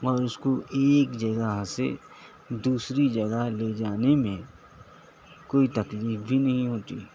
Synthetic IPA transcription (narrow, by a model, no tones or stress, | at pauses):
ɔːɾʊskoʔeːkd͡ʒɐɡəɦsḛ | d̪uːsɾid͡ʒɐɡəɦled͡ʒaːnemẽ | koːit̪ɐkliːfbʱinɐɦĩɦoːt̪ḭː